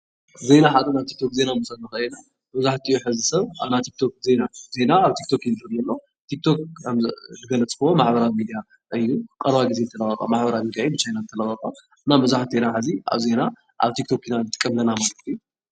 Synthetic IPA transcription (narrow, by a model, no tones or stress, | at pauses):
ze̞naħat̪ʼɨnaβt̪ʰi̥k̚t̪ʰo̞kze̞nanɨsɐnɨxna | mɐzaħt̪ʰiuħɨzɨsɐβa̰βnat̪ʰik̚t̪ʰok̚ze̞naze̞naːβt̪ʰikt̪ʰo̞kinɨlɐɾjɐlːo̞ | t̪ʰik̚t̪ʰo̞kmzɨɡɐlɐt͡sʼkɐwomaħbɐɾawimid̪ija | ʔɨjːukʼɐɾβaɡizenɨt̪ʰɐlɐɣɐkʼa̰maħbɐɾawmid̪iajbɨt͡ʃʰajnanɨt̪ʰɐlɐɣɐkʼa | ɨnːamɐzaħt̪ʰenaħazia̰βze̞na | ʔa̰βt̪ʰik̚t̪ʰo̞kinanɨt̪ʼɨ̥kʼːɐmlɐnamalɨt̪ɨju